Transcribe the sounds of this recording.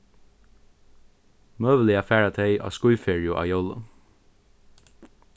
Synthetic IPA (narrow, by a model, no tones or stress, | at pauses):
møːʋəlɪɑfæːɹɑt̪ʰœʏʔɑ̰ːskʊʏfeːɹɪʊʔɑ̰ːjɔlə̰